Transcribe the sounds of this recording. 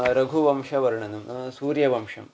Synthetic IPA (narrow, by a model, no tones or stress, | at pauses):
ɾɐɡʱuʋɐmʃɐʋɐɾɳɐnɐmsuːɾjɐʋɐmʂɐ̰m